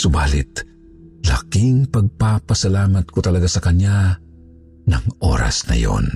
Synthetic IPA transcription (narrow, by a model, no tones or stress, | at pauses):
sʊbaːlɪt̪̚ | la̰kiŋpɐɡ̚papɐsɐlaːmɐt̪̚kot̪ɐlɐɡasɐkɐɲa | nɐŋʔo̰ːɾa̰snɐ̰jo̰n